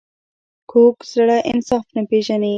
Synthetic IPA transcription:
kʰoːkzaɽaʔɪ̰nsɑːfnapeʒani

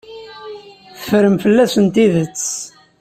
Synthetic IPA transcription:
θə̥fɾəmfəlːæsənt̪iðət͡sː

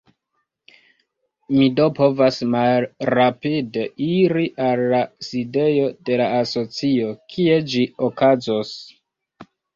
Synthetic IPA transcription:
mido̞po̞vasmallɾapide̞iɾiʔalːaside̞jo̞de̞laːso̞t͡sio̞kʰie̞d͡ʒiokazos

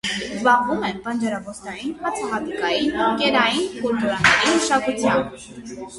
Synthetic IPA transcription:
zbɑɦvumɛnpənd͡ʒɑɾɑvɔsnɑjinhɑt͡sʰɑɦɑt̪ikɑjinkɛɾɑjinkɔɾd̪ɔɾɑnɛɾinəʃɑkut͡sʰjɑmb

